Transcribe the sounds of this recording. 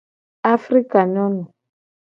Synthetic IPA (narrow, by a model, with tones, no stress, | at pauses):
a˦fri˦ka˨nɔ˦nɔ˨